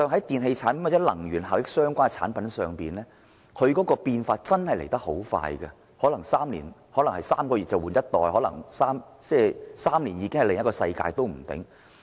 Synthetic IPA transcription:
sœː˨˧ŋɦɐ˨˥jt̪iː˨nɦe˧jt͡sʰaː˨˥npɐ˨˥nwa˨˩t͡sːɛ˨˥lɐ˨˩ŋjyː˨˩nɦaː˨˩wjɪ˥k̚sœː˥ŋkʷwʷaː˥ŋt͡sʰa̰ː˨˥npɐ˨˥nsœː˨˧ŋpiː˨nlɛː˥ | kʰɵ˨˧ɥkɔː˨˥kɔː˧piː˧nfaː˧t̚t͡sɐ˥nhɐ˨jle˨˩jt̪ɐ˥k̚ho˨˥wfa̰ː˧jɡɐ̰˧ | hɔː˨˥lɐ˨˩ŋsaː˥mlḭː˨˩nhɔː˨˥lɐ˨˩ŋhɐ˨˩jsaː˥mkɔː˧jyː˨t̚t͡sɐ˨wuː˨˩njɐ˥t̚t̪ɔː˨jhɔ˨˥lɐ˨˩ŋsaː˥m | t͡sɛː˥˩saː˥mliː˨˩njiː˨˧˥kɪ˥ŋhɐ˨le˨ŋjɐ˥kɔː˧sɐ˧jka̰ː˧jt̪o˥wm̩˨˩t̪ɪ̰˨˥ŋ

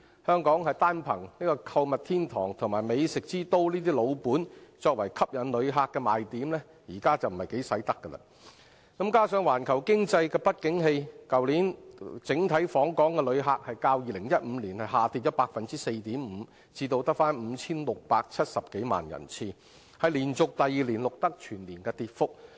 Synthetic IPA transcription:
hœː˥ŋkɔː˨˥ŋhɐ˨jt̪aː˥npʰɐ˨˩ŋniː˥kɔː˧kʰɐ˧wmɐ˨t̪ʰiː˥nt̪ʰɔː˨˩ŋt̪ʰʊ˨˩ŋmaː˨˩jme˨˧jsɪ˨k̚t͡siː˥t̪o˥wliː˥t̪iː˥lo˨˧wpuː˨˥nt͡sɔː˧k̚wɐ˨˩jkʰɐ˥p̚jɐ˨nlɵ˨˧ɥɦaː˨kːɛː˧maː˨jt̪iː˨˥mlɛː˥ | jiː˨˩kaː˥t͡sɐ˨˩wm̩˨˩hɐ˨jke˨˥jsɐ˨˥jt̪ɐ˥kːə˧lɐ̰˧ | kɐ˨˥mkaː˥sœː˨˧ŋwaː˨˩nkʰɐ˨˩wkɪ˥ŋt͡sɐ˧jkɛː˧pɐ˥t̚kɪ˨˥ŋɦe˧jkɐ˨wliː˨˥nt͡sɪ˨˥ŋt̪ʰɐ˨˥jfɔː˨˥ŋkɔː˨˥ŋkɛː˧lɵ˨˧ɥɦaː˧k̚hɐ˨jkaː˧wjiː˨˧lɪ˨˩ŋjɐ˥t̚m̩˨˧liː˨˩nhɐ˨jɦaː˨˩t̪iː˨˧t̚t͡sɔː˥paː˧k̚fɐ˨nt͡siː˥se˧jt̪iː˨˥mm̩ː˨˧ | t͡siː˧t̪o˧wt̪ɐ˥k̚faː˥nm̩ː˨˧t͡sʰiː˥nlʊ˨k̚paː˧k̚t͡sʰɐ˥t̚sɐ˨p̚ke˨˥jma̰ː˨njɐ̰˨˩nt͡sʰiː˧ | hɐ˨jliː˨˩nt͡sʊ˨k̚t̪ɐ˨jiː˨˧liː˨˩nlʊ˨k̚t̪ɐ˥k̚t͡ʃʰyː˨˩nliː˨˩nkɛː˧t̪iː˨t̚fʊ˥k̚

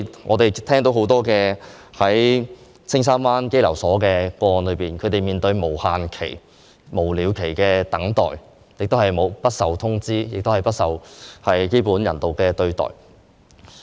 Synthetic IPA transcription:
ŋʔɔː˨˧t̪e˨jt̪ʰɛː˥ŋt̪o˨˥wɦo˨˥wt̪ɔː˥kɛː˧ | hɐ˨˥j | t͡sʰɪ˥ŋs̬aː˥nfaː˥nke˥jlɐ˨˩wsɔː˨˥kɛː˧kɔː˧ɔː˨˧nlɵ˨˧ɥpiː˨˩nkʰɵ˨˧ɥt̪e˨jmiː˨nt̪ɵ˧ɥmo˨˩whaː˨nkʰe˨˩j | mo˨˩wliː˨˧wkʰe˨˩jkɛː˧t̪ɐ˨˥ŋt̪ɔ̰ː˨j | jɪ˨k̚t̪o˥whɐ˨˩jmo˨˧wpɐ˥t̚sɐ˨wt̪ʰʊ˥ŋt͡siː˥jɪ˨k̚t̪o˥hɐ˨˩jpɐ˥t̚sɐ˨whɐ˨jjeː˥puː˨˥njɐ˨˩nt̪o˨˩wkɛː˧t̪ɵ˧ɥt̪ɔ̰ː˨˩j

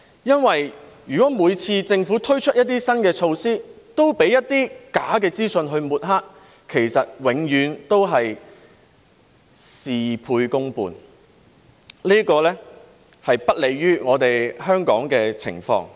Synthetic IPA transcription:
jɐ˥nwɐ˨jjyː˨˩kɔː˨˥muː˨˧jt͡sʰiː˧t͡sɪ˧ŋfuː˨˥t̪ʰɵ˥ɥt͡ʃʰɵ˥t̚jɐ˥t̪̚ːiː˥sɐ˥nkɛː˧t͡ʃʰo˧wsiː˥ | t̪o˥wpe˨˥jɐ˥t̚t̪iː˥kaː˨˥kɛː˧t͡siː˥sɵ˧nɦɵ˧ɥmuː˨˩t̚ɦaː˥k̚ | kʰe˨˩jsɐ˨t̚wɪ˨˧˥ŋjyː˨˧nt̪o˥wɦɐ˨j | siː˨pʰuː˧jkʊ˥ŋpṵː˨˧n | liː˥kɔː˧lɛː˥ | hɐ˨jpɐ˥t̚le˨˧jːyː˥ŋɔː˨˧t̪e˨jhœː˥ŋkɔː˨˥ŋkɛː˧t͡sʰɪ̰˨˩ŋfɔ̰ː˧ŋ

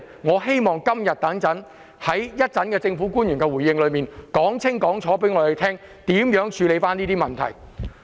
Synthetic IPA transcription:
ŋɔː˨˧he˥jmɔː˨ŋkɐ˥mjɐ˨t̚t̪ɐ˨˥ŋt͡sɐ˨˥n | hɐ˨˥jjɐ˥t̚t͡sɐ˨˥nkɛː˧t͡sɪ˧ŋfu˨˥kuː˥njy˨˩nkɛ˧wu˨˩jɪ˧ŋlɵ˨˧miː˨˩nkɔː˨˥ŋt͡sʰɪ˥ŋkɔː˨˥ŋt͡sʰɔː˨˥pe˨˥jŋɔː˨˧d̪e˨˧t̪ʰɛː˥ŋt̪iː˨˥mjœː˨˥ŋt͡ʃʰyː˨˧le˨˧jfaː˥niː˥t̪iː˥mɐ˨nt̪ʰɐ̰˨˩j

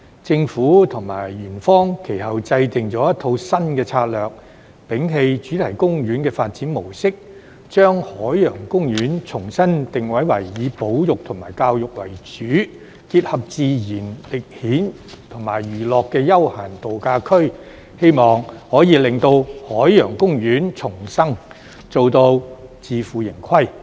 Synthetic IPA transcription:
t͡sɪ˧ŋfuː˨˥t̪ʰʊ˨˩ŋmaː˨˩jɥyː˨˩nfɔː˥ŋkʰe˨˩jɦɐ˨wt͡sɐ˧jt̪ɪ˨ŋt͡sɔː˨˥jɐ˥t̪ʰo˨˧wsɐ˥nkɛː˧t͡sʰaː˧t̚lœː˨k̚ | pɪ˨˥ŋɦe˧jt͡ʃyː˨˥t̪ʰɐ˨˩jkʊ˥ŋɥyː˨˥nkɛː˧faː˧t̚t͡siː˨˥nmo˨˩wsɪ˥k̚ | t͡ʃœː˥ŋhɔː˨˥jːœː˨˩ŋkʊ˥ŋjyː˨˥nt͡sʰʊ˨˩ŋsɐ˥nt̪ɪ˨ŋwɐ˨˥jwɐ˨˩jːiː˨˧po˨˥wjʊ˨k̚t̪ʰʊ˨˩ŋmaː˨˩jkaː˧wjʊ˨k̚wɐ̰˨˩jt͡ʃyː˨˥ | kiː˧t̚hɐ˨p̚t͡siː˨˧jiː˨˩nlɪ˨k̚hiː˨˥n | t̪ʰʊ˨˩ŋmaː˨˩jɥyː˨˩lɔː˨kːɛː˧jɐ˥whaː˨˩nt̪o˨wkaː˧kʰɵ˥ɥ | he˥jmɔː˨ŋhɔː˨˥jiː˨˧lɪ˨ŋt̪o˧whɔː˨˥jjœː˨˩ŋkʊ˥ŋjyː˨˥nt͡sʰʊ˨˩ŋsɐ˥ŋ | t͡so˨wt̪o˧wt͡siː˨fuː˨jɪ˨˩ŋkʰɐ˥j

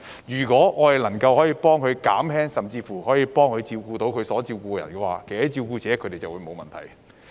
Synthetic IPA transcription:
jyː˨˩kʷɔː˨˥ŋɔː˨˧hɐ˨˩jlɐ˨˩ŋkɐ˧whɔː˨˥jiː˧pɔː˥ŋkʰɵ˨˧ɥka̰ː˨˥mhɛː˥ŋsɐ˨mt͡siː˧fuː˨˩hɔː˨˥jiː˨˧pɔː˥ŋkʰɵ˨˧ɥt͡siː˧wkuː˧t̪o˨˥wkʰɵ˨˧sɔː˨˥t͡siː˧wkuː˧kɛː˧jɐ̰˨˩nkɛː˧wa̰ː˨˧kʰhɐ˨˥t͡siː˧wkuː˧t͡sɛː˨˥kʰɵ˨˧te˨jt͡sɐ˨wu˨˧˥mo˨˧wmɐ˨nt̪ʰɐ̰˨˩j

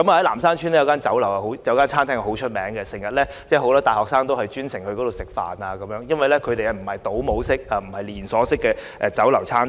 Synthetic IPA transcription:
kɐ˨˥ma˨ɐ˨˥jlaː˨˩msaː˥nt͡ʃʰyː˥nɛ˥jɐ˧wkaː˥nt͡sɐ˨˥wlɐ˨˩wɐ˨˩ho˨˧˥wjɐ˧wkaː˥nt͡sʰaː˥nt̪ʰɛː˥ŋ˨˩ɦo˨˥wt͡ʃʰɵ˥t̚mɛː˨˥ŋɡɛ˧sɪ˨˩ŋjɐ˨t̚lɛː˥ | t͡sɛː˥˩ho˨˥wlɔ˥t̪aː˨jhɔː˨k̚saː˥ŋt̪o˥whɐ˨jt͡ʃyː˥nsɪ˨˩ŋkkɔ˨˥t̪o˨wsɪ˨k̚fa̰ː˨˩naː˧kɐ˨˦mjœː˨˥ŋjɐ˥nwɐ˨jlɛ˥kʰɵ˨˧ɥt̪e˨jɐ˨˧m̩˨˩hɐ˨jt̪o˨˥wmo˨˥wsɪ˥k̚aː˧m̩˨˩hɐ˨jliː˨˩nsɔː˨˥sɪ˥kːɛː˧ʔɛː˧t͡sɐ˨˥wlɐ˨˩wt͡sʰaː˥n

